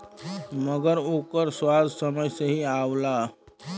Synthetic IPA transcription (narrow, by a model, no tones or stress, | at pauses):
məɡəɾoːkəɾswaːd̪ʱsəməjseɦiaːolaː